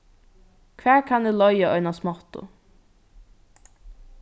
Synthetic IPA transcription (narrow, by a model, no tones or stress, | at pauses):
kʰvæːɹkʰanɪlɔjaɔjnasmɔht̪ʊ̰